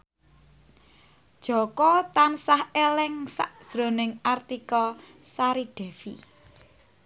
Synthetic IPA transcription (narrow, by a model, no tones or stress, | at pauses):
d̥ʒ̥ɔ̤kɔt̪ansahelɛŋsa̰ʔd̥ʒ̥ɾo̤nɪŋart̪ikɔ | saɾiɖ̥ɛ̤fi